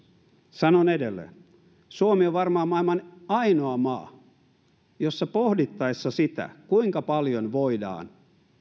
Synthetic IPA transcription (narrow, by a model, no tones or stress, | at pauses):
sɑnonedelːḛ | suomioʋʋɑrmɑɑːmɑːilmɑnɑinoɑmɑ̰ː | josːɑpohdit̪ːɑisːɑsit̪æ̰kuiŋkɑpɑljonʋoidɑ̰ːn